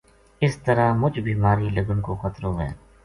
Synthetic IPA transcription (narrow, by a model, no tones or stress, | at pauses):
ɪst̪ɐɾamʊd͡ʒbʱiːmaːɾiːlɐɡənkoːxɐt̪ɾoːɦɛ̰ː